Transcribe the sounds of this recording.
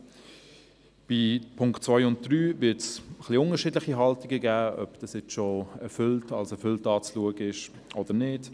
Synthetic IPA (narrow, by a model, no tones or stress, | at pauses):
b̥ipʰʊŋktt͡svœɪʊnt̚d̥ɾyːvɪtsχliʊnəɾʃiːdlɪχiɦɑltiɡəɡæːœ̰bd̥ɑsjɛt͡sʃoɛɾfʏltɑlsɛfʏltɑːt͡sluəɡəɪʃ | ʔɔd̥ənɪd